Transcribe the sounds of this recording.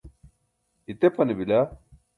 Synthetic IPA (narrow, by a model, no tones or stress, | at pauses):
it̪epʰɐnibila